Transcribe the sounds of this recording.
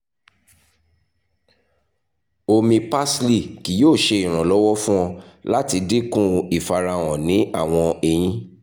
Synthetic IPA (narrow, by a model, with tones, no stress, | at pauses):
o˧mĩ˧pa˦sli˦˨ki˨˦joː˦˨ʃe˧i˨ɾ̃ã˨lɔ˦wɔ˦fũ˦w̃ɔ̃˧la˦ti˧de˦kũ˦i˨fa˧ɾa˧w̃ɔ̃˨nĩ˨˦a˦˨w̃ɔ̃˧e˨j̃ĩ˨˦